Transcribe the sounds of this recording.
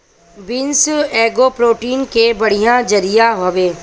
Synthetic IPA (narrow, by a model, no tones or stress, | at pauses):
bɪnsɛːɡopɾoːʈiːnkebɐɽ̤ijãd͡ʒɐɾijaɦoːʋeː